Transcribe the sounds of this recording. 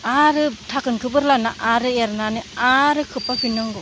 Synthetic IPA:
aɾɯtʰakɯnkʰɯbɯɾlanaʔaɾɯeɾnanɯaɾɯkʰɯpapʰinɔŋɡɯ

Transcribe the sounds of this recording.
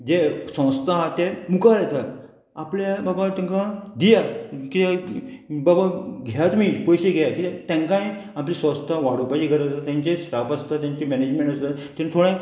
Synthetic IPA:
d͡ʑesə̃w̃st̪ʰaɦat̪ɛmukaɾɛt̪ʰat̪ | apljababat̪ɛ̃ŋkad̪ijakit̪a | babaɡʱejat̪miːpɔjɕeɡʱɛjakit̪ãŋkãjaplisə̃wst̪ʰaʋaɽ̤upad͡ʑikəɾət̪at̪jãɲt͡ɕesʈapast̪at̪jãɲt͡ɕemɛned͡ʑmẽɳʈast̪at̪ẽnt̪ʰoɽẽ

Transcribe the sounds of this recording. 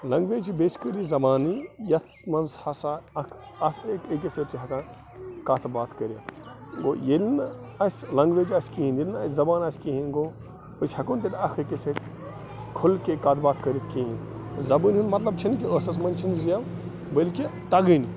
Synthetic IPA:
lɐŋɡʋeːd͡ʒibeːt͡ʃkəɾizɐbaːnijɐt̪ʰmɐnzhɐsaːɐkʰ | ɐsekekʲeset̪iɦɐkãːn | kat̪ʰbaːt̪ʰkəɾʲɐt̪ʰ | ɡo̰ːjilnɐsʲlɐŋɡʋeːd͡ʒɐskiɦinjilnɐsʲzɐbaːnɐskiɦinɡoː | əsʲhɐkunt̪ɐd̪ɐkʰekʲeset̪ | kʰulkekɐːt̪ʰbaːt̪ʰkɐɾʲit̪ʰkiɦinzɐbɨnʲɦinmɐt̪lɐb̚t͡ʃʰɐnik̬ʲiəsɐs̬mɐnt͡ʃʰinzijɐʋ | bəlket̪ɐɡɨni

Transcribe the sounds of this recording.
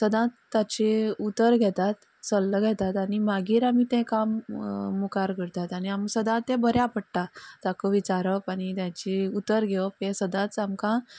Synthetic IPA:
səd̪ãt̪ːat͡ɕeut̪ːəɾɡʱɛt̪at̪ | səlːəɡʱɛt̪at̪animaɡiːɾamiːt̪ɛ̃kamːukaɾkəɾt̪at̪aniamsəd̪ãt̪ɛ̃bəɾjapəɽʈat̪akəʋit͡ɕaɾəpañit̪jãt͡ɕiut̪ːəɾɡʱɛʋəpɛ̃səd̪ãt͡samkã

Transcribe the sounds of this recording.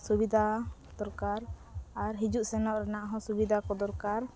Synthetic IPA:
subid̪ʱa | d̪̥ɔɾkaɾaɾɦid͡ʒuʔsɛnɔʔɾɛnaʔɦɔ̃subid̪ʱakɔd̪ɔɾkaɾ

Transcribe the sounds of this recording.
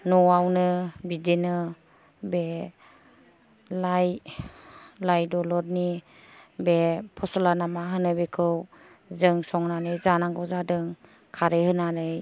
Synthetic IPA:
nɔwawnɯbidenɯ | be | laj | lajdɔlɔɾni | bepʰɔsɔlanamaɦɯnɯbekʰɯw | zɯŋsɔŋnanɯjzanaŋɡɔzadɯŋ | kʰaɾehɯnanɯj

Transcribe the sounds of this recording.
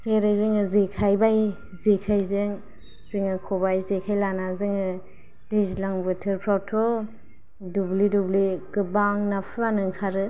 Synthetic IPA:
seɾajzɯŋɯzekʰajbaj | zekʰajzɯŋ | z̥ɯŋɯkʰɔbajzekʰajlanazɯŋɯ | d̥ezlaŋbɯtʰɯɾpʰɾawtʰɔ | dublidubliɡɯbaŋnapʰɯanɯŋkʰaɾɯ

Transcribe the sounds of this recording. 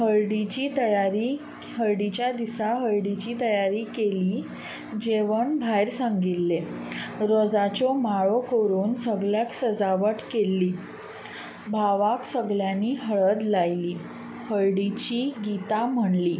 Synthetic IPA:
həɾjɖit͡ɕiːt̪əjaɾi | ɦəɾɖit͡ɕjad̪isaɦəɾɖit͡ɕiːt̪əjaɾiːkeliː | d͡ʑeʋəɳbʱajɾsãŋɡilːeɾɔd͡zat͡ɕɔmaɭɔkoɾuːnsəɡljaksəd͡zaʋəʈkelːiː | bʱaʋaksəɡɭjanːiːɦəɭəd̪lajliː | həɭɽit͡ɕiːɡit̪am̤əɳliː

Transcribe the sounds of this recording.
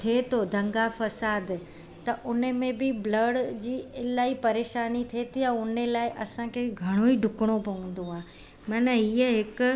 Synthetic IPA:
t̪ʰiet̪ʰod̪ʱɐ̃ŋɡafɐsaːd̪ | t̪ɐʔʊnə̆mẽbɪblɐɽd͡ʑiːɪlaːɦipɐɾeːʃaːnit̪ʰiet̪jaʊnlaːɪʔɐsãkʰeːɡʱɐɽ̃oiɖʱʊkɪɽ̃opɐʋə̃n̆d̪oɦaː | mɐnəɦiəɦɪkʊ̆

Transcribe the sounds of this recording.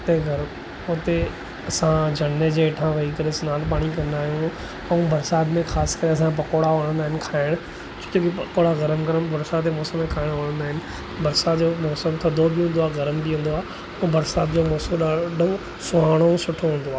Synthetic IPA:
t̪eɡʱɐɾ | ʊt̪e | ɐsãd͡ʑʱɐnːed͡ʑeːʈʰãʋɐikɐɾesɪnaːlpaːɽ̃ikɐ̃nd̪aːɦijũ | ɛ̃ũbɐɾsaːd̪mẽxaːskɐɾeɐs̬ãpɐkoːɽaʋɐɽ̃ə̃nd̪aːɦɪnɪ̆kʰaːɪɽ̃ʊ | t͡ɕõ̥kokipɐkoːɽaɣɐɾəmkɐɾəbɐɾsad̪emɔːsəmːẽkʰaːɪɽ̃ʋɐːɽ̃ə̃nd̪aːɦɪnɪ̆ | bɐɾsat̪d͡ʑoːmɔːsəmt̪ʰɐd̪obɪɦũnd̪oaːɣɐɾəmbiũːn̆d̪oaː | ũːbɐɾsaːt̪d͡ʑoːmɔːsəmɗaɖɐ̃ɡ | sʊɦaːɽ̃osʊʈʰoɦũːnd̪oaː

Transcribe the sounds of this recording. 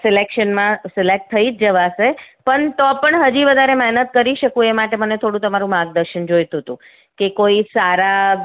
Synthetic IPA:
sɪlekʃənmãsɪlek̚ʈ̚t̪ʰːəid͡ʒd͡ʒəʋasepəɳt̪ɔpəɳɦəd͡ʒiʋəd̪ʱaɾemɛɦnət̪kəɾiʃəkũemaʈemənet̪ʰoɽ̃ũt̪əmaɾũmãɡd̪əɾʃənd͡ʒojt̪uɦt̪ṵ̃ | kekoisaɾa

